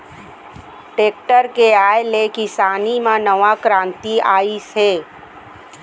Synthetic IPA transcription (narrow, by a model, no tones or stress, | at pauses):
ʈeːk̚ʈəɾkeaːjlekɪsaːnimãnəʋakɾãːnt̪iaːiseː